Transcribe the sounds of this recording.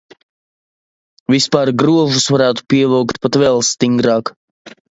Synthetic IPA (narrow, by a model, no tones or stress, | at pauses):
vispaːɾɡɾuɔʒusvaɾæːt̪u̥piɛlˠɔwkt̪pat̪vɛlˠst̪iŋɡɾɑːk